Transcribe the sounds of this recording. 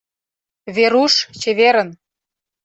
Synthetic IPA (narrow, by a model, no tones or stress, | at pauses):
βeɾuʃt͡ɕeβeɾə̆n